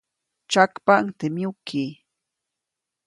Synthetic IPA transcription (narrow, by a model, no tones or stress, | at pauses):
t͡ʃakpaŋt̪ɪmjʊkʰiː